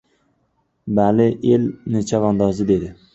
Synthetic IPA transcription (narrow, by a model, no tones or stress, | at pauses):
balɪʔelnɪt͡ʃʰavɒnd̪ɒzɪd̪e̞d̪ɪ